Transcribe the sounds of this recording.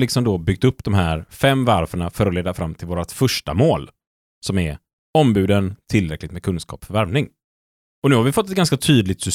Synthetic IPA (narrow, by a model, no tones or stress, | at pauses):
lɪksɔmd̪ɔbʏɡ̚t̪ɵpːd̪ɔmɦæːɾfɛmːvaɾfəɳafœɾɔleːd̪afɾamːt̪ʰɪlvoːɾat̪fœʂʈa̰moːl | sɔmɛɾ | ɔmbʉ̟ːd̪ənt̪ʰɪlɾɛklɪɡt̪mɛkʰɵnskɑ̰ːpfœɾvæɾvnɪŋ | ɔnʉ̟ːhaɾvɪfɔt̪ːɛt̪̚ɡanskat̪ʰyːd̪lɪɡ̚t̪sʏs